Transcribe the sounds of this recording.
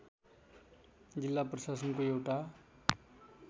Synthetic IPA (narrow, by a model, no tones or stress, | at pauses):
d͡zilːaprʌsasʌnkoewʈa